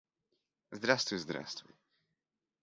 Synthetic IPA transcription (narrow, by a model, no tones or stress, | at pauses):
zd̪ɾast̪ujzd̪ɾa̰st̪ṵj